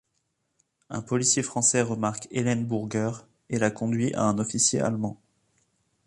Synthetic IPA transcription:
ɛ̰̃pɔlisjefχɑ̃sɛʁəmaʁkelɛnbuʁɡœʁ | elakɔ̃d̪ɥiʔa̰ɛ̃nɔfisjea̰lmɑ̃

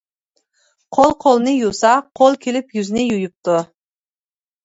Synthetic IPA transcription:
qʰolˠqʰolˠnɪjusɑqʰolˠkʲʰelɪpjyznɪjujup̚t̪ʊ

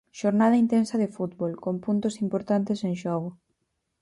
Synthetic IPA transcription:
ʃoɾnað̞ɐint̪ensɐðɪfut̪βolkompunt̪ʊsimpoɾt̪ant̪ɪseŋʃɔɣ̞ʊ

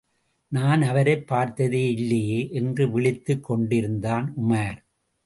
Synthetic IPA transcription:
naːnɐʋɐɾɐɪpːaːɾt̪ɐðeːɪlːɐjeːʔɛndrɯʋɪɭɪt̪ːɯkːɔɳɖɪɾɯnd̪aːnʊmaːɾ

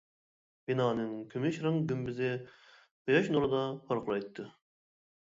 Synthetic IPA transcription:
b̥inɑːnɨŋkʲʰømɪʃɾɨŋɡʲymbɪzɪ | bɨjɑʃnoɾɨd̪ɑpʰoɾqʰlˠɑjt̪ʰːɨ

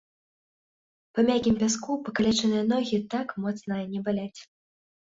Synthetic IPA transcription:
pɐmʲakʲimpʲaskupɐkalʲɛt͡ʂɐnɨjɐnɔɣʲit̪akmɔt̪snɐnʲɛbalʲat͡sʲ

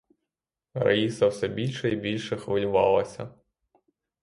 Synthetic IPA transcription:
ɾɐ̰jisɐwsɛbʲilʲʃɛibʲilʲʃɛxʋɪlʲʊʋɑ̰lˠɐsʲɐ̰

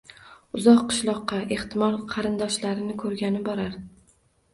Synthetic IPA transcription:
ʊzɒqːɨ̥ʃlˠɒqːɑʔe̞ht̪ʰɪmɒlˠqʰɑɾɪnd̪ɒʃlaɾɪnɪkʰɵɾɡʲanɪbɒɾaɾ

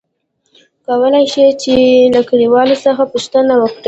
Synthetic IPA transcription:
kawəlajʃet͡ʃelakaɽiwɑlosəxapuʃt̪ənawəkɽe

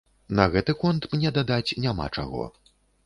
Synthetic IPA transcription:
nɐɣɛt̪ɨkɔnt̪mnʲɛd̪ad̪at͡sʲnʲama̰t͡ʂa̰ɣɔ̰

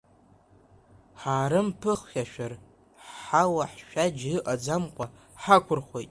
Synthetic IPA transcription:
ħaːɾɨmpʰɨχxʲaʃᶣɐr | ħawɐħʃʷᶣad͡ʒɨʔʼɐd͡zamqʷʼɐ | ħakʷʰʊrχʷojtʼ

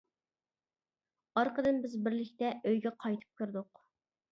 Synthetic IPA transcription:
ɑɾqʰəd̪ɨnbɪzbɪɾlɪkʲt̪ɛøjɡʲɛqʰɑjt̪ʰɨ̥p̚kʲʰyɾd̪ʊq

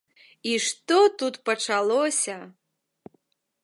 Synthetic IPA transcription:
iʂt̪ɔt̪ut̪pɐt͡ʂalˠɔsʲɐ

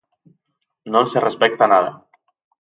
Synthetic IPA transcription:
nonserespɛk̚t̪anaða̰

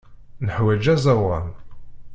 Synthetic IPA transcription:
nəħwæd͡ʒæzˤɑwˤɑ̰n

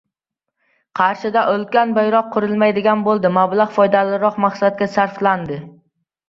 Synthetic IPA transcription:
qʰɑɾʃɪd̪aʔɵlˠkʲanbajɾɒq̚ʰːʊɾɪlˠmajd̪ɪɡʲanbolˠd̪ɪmablˠaʁfɒjd̪alɪɾɒqmaχsadt̪̚ɡʲasaɾfland̪ɪ

